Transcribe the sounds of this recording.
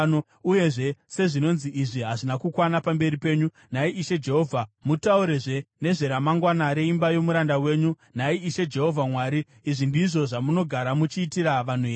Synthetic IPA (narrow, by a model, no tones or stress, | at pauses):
o | uje̞ʐe̞se̞ʐino̞nziʔiʐiɦaʐinakukwanapambe̞ɾipe̞ːɲu | naiʔiʃe̞d͡ʒe̞ɦo̞vʱamutauɾe̞ʐe̞ne̞ʐe̞ɾamaŋɡwanaɾe̞imbajo̞muɾandawe̞ːɲu | naiiʃe̞d͡ʒe̞ɦo̞vʱamwaːɾiː | ʐindiʐo̞ʐamuno̞ɡʱaɾamut͡ʃiːtiɾaʋan̤ueː